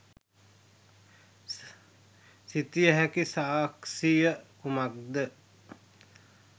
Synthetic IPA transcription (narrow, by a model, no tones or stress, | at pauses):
sit̪ijəɦækisaːksijəkumak̚d̪ə